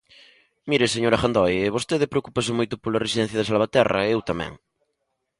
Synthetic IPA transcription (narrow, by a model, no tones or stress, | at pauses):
miɾɪseɲoɾɐxand̪ojβost̪eðɪpɾeokupas̬ɪmojt̪ʊpolɐresiðɛ̃n̟θjɐðɪsalβat̪ɛrɐ̰ewt̪amɛ̰̃ŋ